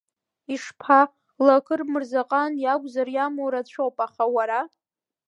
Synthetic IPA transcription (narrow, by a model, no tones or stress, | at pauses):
iʂpʰa | lakʰɨrmɨrzaqʼanjaɡʷʼzarjamowɾat͡ɕʷʰowpʼaχawaɾa